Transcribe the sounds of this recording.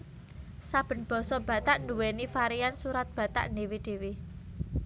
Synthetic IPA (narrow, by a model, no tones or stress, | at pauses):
sab̥ə̤nb̥ɔ̤sɔb̥a̤t̪aʔnuwenifaɾijansuɾat̪̚b̥ä̤t̪a̰ʔnewed̥e̤wi